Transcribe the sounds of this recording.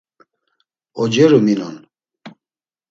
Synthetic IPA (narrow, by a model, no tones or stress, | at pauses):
ɔd͡ʒɛɾuminɔ̰n